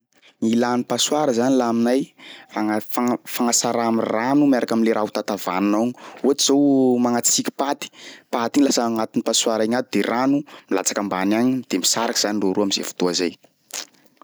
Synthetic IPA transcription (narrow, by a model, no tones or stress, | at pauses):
ŋilanipasuaɾəzanilaminajaŋaafaŋasaɾaamiranumaɾakaminleɾʔaɦut̪at̪avanunaɲuat̪iz̥owmaŋat͡sikʲi̥pat̪i̥pat̪inlasəŋat̪inipaswaɾaŋat̪ud̪eranumila̰t͡sakambanaɲid̪̥emisaɾakiz̥aniroɾuamizḛfu̥t̪oazaj